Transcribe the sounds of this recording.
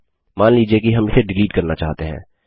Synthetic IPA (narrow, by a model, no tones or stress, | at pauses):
maːnliːd͡ʒiekiɦɐmɪseɖɪliːʈkɐɾnat͡ʃa̰ːɦt̪eɦɛ̰̃ː